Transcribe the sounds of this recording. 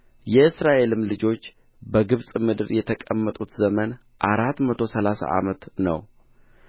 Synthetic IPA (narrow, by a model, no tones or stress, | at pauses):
jɛɨsɾaʔe̞lɨmlɨd͡ʒo̞t͡ʃː | bəɡɨβsʼmɨd̪ɨɾjɛt̪ʰəkʼəmːət̪ʼut̪zəmən | ʔaɾat̪mət̪ʰo̞səlasa̰ʔa̰mət̪nə̰w